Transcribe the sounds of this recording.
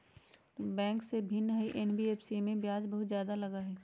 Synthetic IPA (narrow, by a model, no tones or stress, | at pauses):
bɛ̃ːŋksebʱɪnɦɐiʔɛnbieːpʰsimẽbjaːd͡ʒbɐɦʊt̪zjaːd̪alɐɡaɦɛː